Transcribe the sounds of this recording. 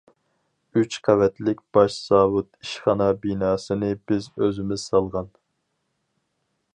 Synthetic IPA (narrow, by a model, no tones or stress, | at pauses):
yt͡ʃqʰævɛt̪lɪkʲb̥ɑʃz̥ɑːwut̪iʃχɑnɑbinɑːsɨnɨb̥ɪzøzɪmɪz̥sɑlˠʁɑn